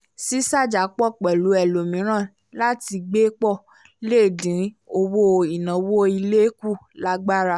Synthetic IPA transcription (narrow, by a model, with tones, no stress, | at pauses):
si˦sa˦˨d͡ʒa˨˦k͡pɔ˦˨k͡pɛ˨lu˨˦ɛ˨lo˨mĩ˨˦ɾ̃ã˦˨ | la˦ti˧ɡ͡be˦k͡pɔ˦˨ | le˦˨dĩ˨˦o˧wo˦˧i˨nã˨˦wo˦i˧le˦ku˦˨la˦ɡ͡ba˦ɾa˧˨